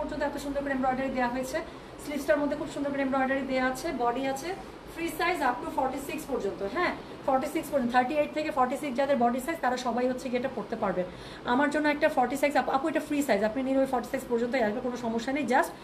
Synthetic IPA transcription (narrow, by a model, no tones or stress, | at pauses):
ɔɾd͡ʑont̪oɛp̚t̪oʃund̪oɾkɾemɾɔjɖaɾid̪eaɦoet͡ɕʰe | slipsʈaɾmod̪ʱːekʰubʃund̪oɾk̬ɾemɾɔjɖaɾid̪eaat͡ɕʰebɔɖiat͡ɕʰe | fɾisajzapniofɔɾʈisikspɔɾd͡ʑont̪oɦɛ̃ | fɔɾʈisikspoɔɾd͡ʑot̪ʰaɾʈieʈ̚t̪ʰekefɔɾʈisiksd͡ʑad̪eɾbɔɖisajzt̪aɾaʃɔbajɦotːt͡ɕːʰeɡeʈakoɾt̪epaɾben | amaɾd͡ʑonːoɛk̚ʈafɔɾʈisasapapoeʈafɾisajzapniniɾobefɔɾʈisikspɔɾd͡ʑont̪oɦeaʃbekonoʃɔmoʃːanejd͡ʑaʃ